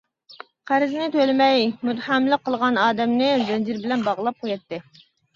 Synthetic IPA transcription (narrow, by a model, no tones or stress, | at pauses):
qʰæɾɪznɪt̪ʰølɪmɛjmut̪ħɑmlˠəqʰːəlˠʁɑnɑːd̪ɛmnɪzɛnd͡ʒiɾbɪlɛnbɑʁlˠɑp̚qʰojɛt̪ːɪ